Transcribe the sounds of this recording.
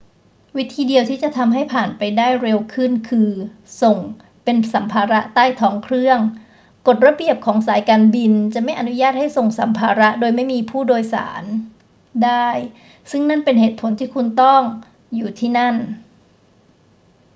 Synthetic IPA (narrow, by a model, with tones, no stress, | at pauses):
wi˦˥t̪ʰiː˧di˧əwt̪ʰiː˥˩t͡ɕa˨˩t̪ʰa˧mɦa˥˩jpʰaː˨˩npa˧jdaː˥˩jɾe˧wkʰɯ˥˩nkʰɯː˧ | so˨˩ŋ | pe˧nsa˩˦mpʰaː˧ɾa˦˥ʔt̪aː˥˩jt̪ʰɔː˦˥ŋkʰɾɯ˥˩əŋ | ko˨˩t̪̚ɾa˧˥bi˨˩əp̚kʰɔː˩˦ŋsaː˩˦jkaː˧nbi˧nt͡ɕa˨˩ʔma˥˩jʔa˧nu˦˥jaː˥˩t̪̚ha˥˩jso˨˩ŋsa˩˦mpʰaː˧ɾa˦˥ʔdoː˧jma˥˩jmiː˧pʰuː˥˩doː˧jsa̰ː˩˦n | daː˥˩j | sɯ˥˩ŋna˥˩npe˧nɦeː˨˩t̪̚pʰo˩˦nt̪ʰiː˥˩kʰu˧nt̪ɔ˥˩ŋ | juː˨˩t̪ʰiː˥˩na˥˩n